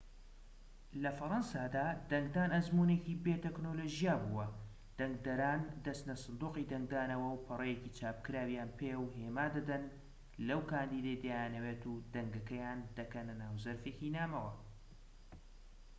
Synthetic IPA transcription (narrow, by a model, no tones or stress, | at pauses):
lɐfɐɾɑnsaːd̪aːd̪ɐŋɡd̪aːnɐzmuːneːciːbeːt̪eknoloːʒijaːbuwɐ | d̪̥ɐŋɡd̪ɐɾaːnd̪ɐst̪nɐsɨnd̪uːqiːd̪ɐŋɡ̚d̪aːnɐwɐwpʰɨrˤejeciːt͡ʃʰaːp̚kɨɾaːwijaːnpʰewɦeːmaːd̪ɐd̪ɐn | lɐwkaːnd̪iːd̪ejd̪jajanɐweːt̪uːd̪ɐŋɡɐkɐjaːnd̪ɐkɐnɐnaːwzɐɾfekiːnaːmɐwɐ